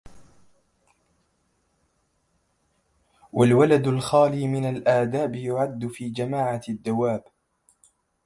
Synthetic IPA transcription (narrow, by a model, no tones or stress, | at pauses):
wʔalwalad̪ʊlxaːliːmɪnalʔaːd̪aːbɪjʊʕad̪ːʊfiːd͡ʒamaːʕad̪ːawaːb